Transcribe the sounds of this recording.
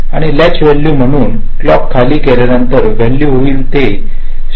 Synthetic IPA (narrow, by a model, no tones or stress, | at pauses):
aɽ̃ilat͡ɕʋeɭːuːm̤əɽ̃uːn | klɔkʰːaliːkelanənt̪əɾʋeɭluːɦoiːlt̪e | ɕ